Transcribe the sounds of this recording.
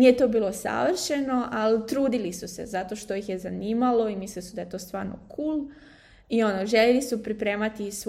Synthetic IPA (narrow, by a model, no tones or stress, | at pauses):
nijet̪o̞ːbiːlˠo̞sa̰ʋr̩ʃe̞no̞ʔalit̪ɾuːd̪ilisusḛzat̪o̞ʃt̪o̞jixje̞zaniːmalo̞imislilisud̪ajet̪o̞ːst̪ʋaːɾno̰kʰuːl | io̞noʒelelisupɾipɾe̞ːmat̪is